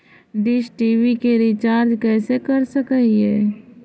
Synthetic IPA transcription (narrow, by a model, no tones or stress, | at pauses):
ɖɪʃʈiːʋikeɾit͡ʃaːɾd͡ʒkɛːsekəɾsəkəiɦɛ̰ː